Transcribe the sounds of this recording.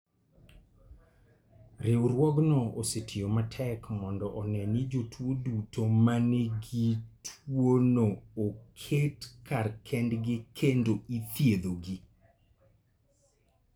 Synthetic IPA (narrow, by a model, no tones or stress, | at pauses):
ɾɪwɾwɔɡnɔosetʰijomatʰɛkmɔndɔʔɔnɛnid͡ʒotʰwodutʰomaneɡitʰwonookʰetkʰarkʰɛndɡɪkʰendoit̪jed̪oɡi